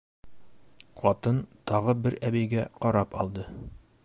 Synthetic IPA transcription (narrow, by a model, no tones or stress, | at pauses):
qɒt̪ɤnt̪ɒʁɤbɘɾæbæjɡæqɒɾɑpɒ̰lˠd̪ɤ